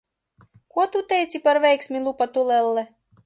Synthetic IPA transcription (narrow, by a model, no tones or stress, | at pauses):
kuɔt̪ut̪ɛjt̪sʲipaɾvʲɛjksʲmʲilˠupat̪ulɛlːɛ